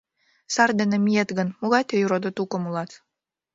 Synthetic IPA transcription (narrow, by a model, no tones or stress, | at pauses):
sɑrd̪enə̆mʲijet̪ɡə̆nmuɣɑt̪ejuɾod̪ŏt̪ukomulˠɑt̪